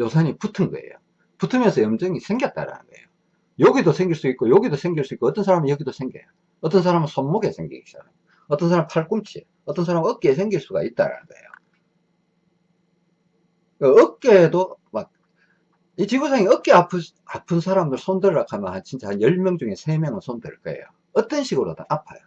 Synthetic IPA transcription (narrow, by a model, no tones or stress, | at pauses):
josʰaɲiputʰɯnɡʌ̰ḛjo̰ | putʰɯmjʌnsʰʌjʌmd͡ʑʌŋisʰe̞ŋɡjʌt̚t͈a̰ɾa̰nɯnɡ̥ʌḛjo | joɡidosʰe̞ŋɡiɭs͈uik͈ojoɡidosʰe̞ŋɡiɭs͈uikoʌt͈ʌns̬ʰaɾamijʌɡidosʰeŋɡjejo | ʌt͈ʌnsʰaɾamɯnsʰonːoɡe̞sʰe̞ŋɡḭit͡ɕ͈a̰nao | ʌt͈ʌnsʰaɾampʰaɭk͈umt͡ɕʰie | ʌt͈ʌnsʰaɾamʌk͈es̬ʰe̞ŋɡiɭs͈uɡa̰it̚t͈a̰ɾa̰nɯ̰nɡʌ̰e̞̰jo̰ | keʌk͈edomak̚ | it͡ɕibosʰaŋiʌk͈eapʰ | apʰɯnsʰaɾamdɯɭsʰondɯɭːɾakʰamjʌnhant͡ɕʰint͡ɕʰahanjʌɭmjʌŋd͡ʑuŋe̞sʰe̞mjʌŋɯɭsʰondḛɭk͈ʌe̞̰jo̰ | ʌt͈ʌnɕʰiɡɯɾo̰t͈anapʰa̰jo